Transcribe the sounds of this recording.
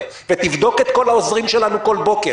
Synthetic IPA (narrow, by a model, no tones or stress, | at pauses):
vet̪ivd̪o̞ke̞t̪ko̞laozʁimʃe̞lanuko̞lbo̞ke